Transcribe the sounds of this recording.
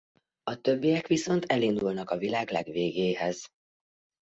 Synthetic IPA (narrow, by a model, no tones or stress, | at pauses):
ɒt̪ø̞bːijɛkʋiso̞nt̪ɛlind̪ulnɒkɒvilaːɡlɛɡʋeːɡeːhɛz̥